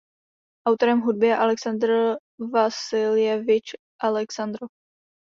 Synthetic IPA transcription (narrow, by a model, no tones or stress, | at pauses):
ʔawt̪oɾɛmɦud̚bɪɛʔalɛksand̪ɾ | vasɪlɪjɛvɪt͡ʃ | ʔalɛksand̪ɾo